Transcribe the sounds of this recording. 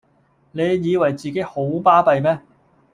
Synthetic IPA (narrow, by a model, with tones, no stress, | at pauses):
ne˨˧jjiː˨˧wɐ˨˩jt͡siː˨˩ke˨˥jho˨˥wpaː˥pɐ˧jmɛː˥